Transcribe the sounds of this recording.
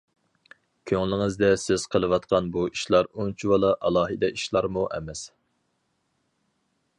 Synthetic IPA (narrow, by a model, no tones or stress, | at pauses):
kʲʰøŋlɪŋɪzd̪ɛsɪz̥qʰəlˠɨwɑt̪̚qʰɑnbuiʃlˠɑɾunt͡ʃʰiwɑlˠɑʔɑlˠɑːɦɨd̪ɛiʃlˠɑɾmuʔɛ̰mɛs